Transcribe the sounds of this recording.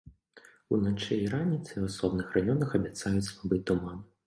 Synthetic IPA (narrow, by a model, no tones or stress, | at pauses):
ṵnat͡ʂɛiɾanʲit̪sɨasɔbnɨxrajɔnɐxɐbʲat̪sajut͡sʲslˠabɨt̪uman